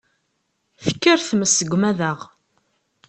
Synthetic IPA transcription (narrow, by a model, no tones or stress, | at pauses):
θə̥kːəɾθməsːəɡʷːmæðəʁ